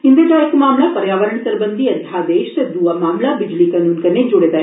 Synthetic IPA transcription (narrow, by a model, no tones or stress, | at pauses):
ɦɪ̃nd̪eːd̪aːekmaːmlapəɾjaːʋəɾəɳsəɾbənd̪iɐnd̪ʰʱaːd̪eːʃt̪ed̪uamaːmlabɪd͡ʒlikɐnuːnkɐned͡ʒʊɽeːd̪aɛ